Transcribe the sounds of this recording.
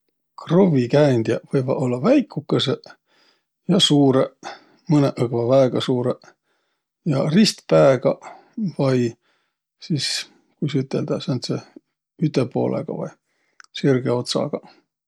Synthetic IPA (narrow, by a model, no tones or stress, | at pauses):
krovikæːnd̪̥jɑvɤjvɑ̰o̞lːɑvæjkːˑukːˑɑse | jɑsuːɾe | mɤneʔɤɡvɑvæːɡ̥ɑsuːɾe | jɑrist̪pæeɡ̥ɑ | vɑj | sis | kujsyt̪ːˑeld̪̥ɑsent̪se | yt̪ːˑepo̞̰ːlʔḛɡ̥ɑ̰vɑ̰j | sirɡ̥eo̞t̪sɑ̰ɡ̥ɑ